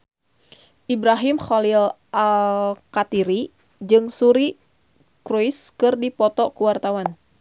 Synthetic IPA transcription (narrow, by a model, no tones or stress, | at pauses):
ʔibɾaɦimxolil | ʔalkat̪iɾi | d͡ʒɨŋsuɾi | kɾujskɨrdipɔt̪ɔkuwart̪awan